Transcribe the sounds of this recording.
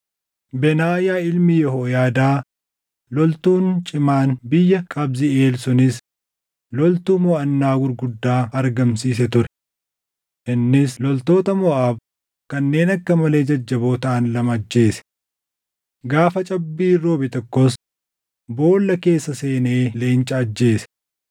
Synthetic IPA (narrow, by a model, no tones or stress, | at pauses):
bɛnaːjaːɪlmɪjɔɦoːjaːd̪aː | lɔlt̪uːnt͡ʃʼɪmaːnbɪjːɐkʼɐbzɪe̞ːlsʊnɪs | lɔlt̪uːmɔʔɐnːaːɡʊɾɡʊd̪ːaːɐɾɡɐmsiːsɛt̪ʊɾɛ̥ | ʔɪnːɪslɔlt̪o̞ːt̪ɐmɔʔaːb | kɐnːe̞ːnɐkːɐmɐle̞ːd͡ʒɐd͡ʒːɐboːt̪ɐʔɐnlɐmɐd͡ʒːe̞ːsɛ̥ | ɡaːfɐt͡ʃʼɐbːiːɾoːbɪt̪ɔkːɔs | boːlːɐke̞ːsːɐse̞ːne̞ːle̞ːnt͡ʃʼɐːd͡ʒːe̞ːsɛ̥